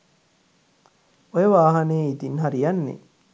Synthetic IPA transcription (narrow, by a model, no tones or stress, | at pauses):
ojəʋaːɦaneːit̪inɦaɾijanːḛ